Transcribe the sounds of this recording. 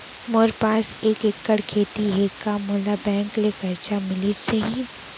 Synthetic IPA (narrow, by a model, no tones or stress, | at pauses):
moːɾpaːseːkekːəɽkʰeːt̪iɦeːkamoːlabɛ̃ːŋklekɐɾt͡ʃamɪliseɦi